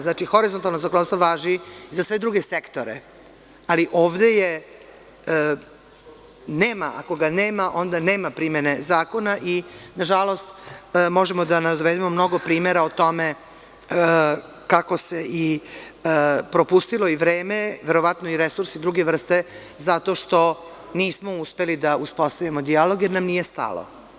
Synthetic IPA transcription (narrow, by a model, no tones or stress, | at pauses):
znat͡ʃixo̞ɾizont̪alnozakonst̪ʋoʋaːʒizasʋe̞d̪ɾuɡesekt̪o̞ɾḛ | aliʔo̞ːʋd̪e̞je | neːmaʔa̰ko̞ɡaneːmaʔo̞nd̪ane̞ːmapɾimenezaːko̞naʔinaʒalˠo̞st̪mo̞ʒemod̪anad̪ʋed̪imo̞mno̞ɡo̞pɾiːmeɾaot̪o̞me | kako̞seʔi | pɾo̞pust̪ilo̞iʋɾeːme̞ʋeɾo̞ʋat̪noiɾesuɾsid̪ɾuɡeʋr̩st̪e̞ | zat̪o̞ʃt̪o̞ | niːsmo̞uspe̞lid̪auspost̪aʋimod̪ialoɡjeɾnamnije̞st̪a̰lo̰